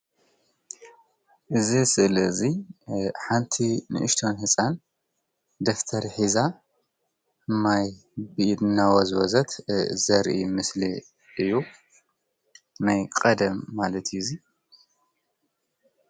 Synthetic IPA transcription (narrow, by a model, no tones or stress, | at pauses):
ʔɨzisɨʔlɐɨzi | ħant̪ʰinɨ̰ʔɨʃt̪ʰo̞nhɨsʼan | d̪ɐft̪ʰɐɾħiza | maj | bɨʔid̪ɨnːawɐzwɔzɐt̪zɐɾʔḭmɨsli | ʔɨjːu | najkʼɐd̪ɐmːalɐt̪ʰɨjuzi